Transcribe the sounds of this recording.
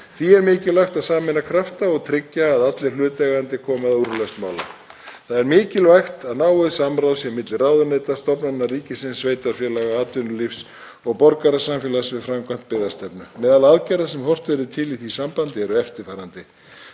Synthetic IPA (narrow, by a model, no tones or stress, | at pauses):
θiɛɾmɪːcɪlvajxt̪aðsaːmɪnːakʰɾaft̪aɔɣt̪ʰɾɪcːaːðat̪lɪ̥lʏːt̪ɛɣant̪ɪkʰɔːmaðuɾlœst̪maːwla̰ | θaðɛɾmɪːcɪlvajxt̪aðnaːwɪðsamɾawsjɛmɪt̪lɪraːwðʏɾneːt̪ast̪ɔpnanːariːcɪsɪnsːveːjt̪aɾ̥fjɛlaɣaaːt̪ʏnʏlifs | ɔɣpɔɾkaɾasamfjɛlasvɪðfɾamkant̪̚pɪːðast̪ɛpnʏmɛːðalaðcajɾasɛmhɔr̥t̪vɛɾɪt̪ʰɪliθisampant̪ɪɛɾʏɛft̪ɪɾfaːɾant̪ɪ